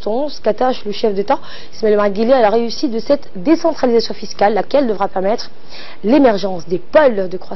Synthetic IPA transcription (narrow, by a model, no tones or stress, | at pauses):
t̪ɔ̃skat̪aʃləʃɛfd̪et̪a | smɛlmaʁɡʲilealaʁeysit̪̚d̪əsɛt̪ | d̪esɑ̃t̪χalizasjɔ̃fiskʲalːakʲɛld̪əvʁapɛʁmɛt̪χ | lemɛʁʒɑ̃sd̪epɔld̪əkχwa